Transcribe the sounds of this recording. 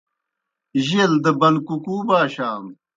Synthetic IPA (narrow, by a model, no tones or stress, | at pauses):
ʑild̪əbɐnkukuːbaːɕaːm